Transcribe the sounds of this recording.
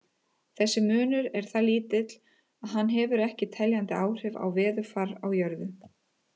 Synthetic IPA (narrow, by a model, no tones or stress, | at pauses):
θɛsːɪmʏːnʏɾɛɾ̥θaliːt̪ɪt̪l̥ | aðɦanːɦɛːvʏɾɛhcɪt̪ʰɛljant̪ɪaːwr̥ɛva̰wvɛːðʏfaɾawjœɾðʏ